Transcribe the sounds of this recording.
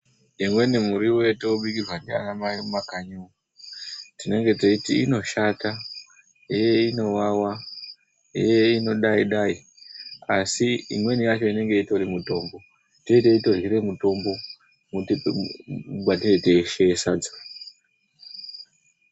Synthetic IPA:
eŋwenemuɾiwe̞teuɓikirwandea̰namaimumakaɲuu | tine̞ŋɡe̞toitiino̞ʃata | ɦejeino̞wawa | ḛjeino̞ɗaiɗai | asiḭmwe̞nijat͡ʃo̞ine̞ŋɡe̞ito̞rimuto̞mbo̞ | to̞iteito̞rɣiɾe̞muto̞mbo̞ | mut | uɓateeteʃesad͡zo̥

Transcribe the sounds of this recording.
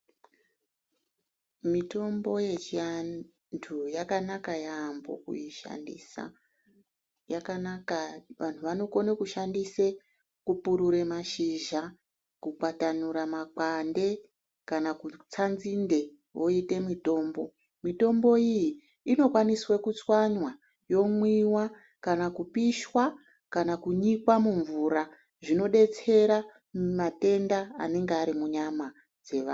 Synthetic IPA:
mito̞mbo̞je̞t͡ʃia | ntʰujakanakajambo̰kṵjiʃa̰ndḭːsa̰ | jakanakaʋan̤uʋano̞ko̞nekuʃandise | kupuɾuɾemaʃiʒa | kukatanuɾamakande̞ | kanakut͡sanzinde̞ | wo̞ite̞mito̞ːmbo̞ | mito̞mbo̞ijiː | no̞kwaniswekut͡swaɲwa | jo̞mwiwa | kanakupiʃwa | kanakuɲikwamuɱvuɾa | ʐino̞ɗe̞t͡se̞ɾa | mate̞ndaːne̞ŋɡeaɾimuɲama | d͡ze̞ʋa̰ː

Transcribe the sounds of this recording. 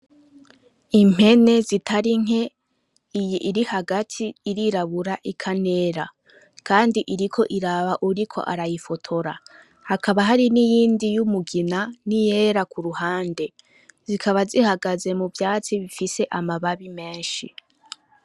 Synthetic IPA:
im̥he̞ne̞zitʰaɾiŋ̥e̞ | ijiʔiɾihaɡatʰiːɾiɾaβuɾaʔikʰane̞ːɾa | kʰaːndiʔiɾikʰo̞ʔiɾaβaʔuɾikʰo̞̰ʔa̰ɾajifo̞tʰo̞ɾa | hakʰaβaɦaɾinijiːndijumuɡinanije̞ːɾakʰuɾuhaːnde̞ | z̥ikʰaβazihaɡaze̞muvjaːt͡siβifise̞ʔamaβaβime̞ːnʃḭ

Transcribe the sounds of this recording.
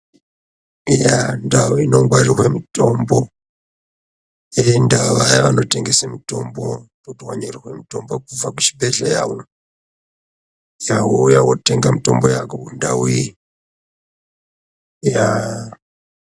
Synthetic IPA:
jandawuino̞ŋɡwarirwe̞mito̞mbo | endaʋajaʋano̞te̞ŋɡesemito̞mborutwaɲerirwe̞mito̞mbokub͡vaku̥ʃi̥beɮajawo | jawojawote̞ŋɡamito̞mbojakokunda̰wui | ja

